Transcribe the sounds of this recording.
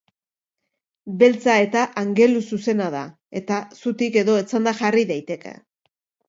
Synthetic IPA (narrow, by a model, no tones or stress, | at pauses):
be̞lt͡sae̞t̪aʔaŋɡe̞lususe̞naða | e̞t̪asut̪ike̞ðo̞et͡sand̪axariðajt̪e̞kḛ